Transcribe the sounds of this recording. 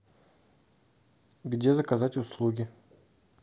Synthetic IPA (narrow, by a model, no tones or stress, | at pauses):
ɡdʲezəkɐzatʲʊslˠuɡʲɪ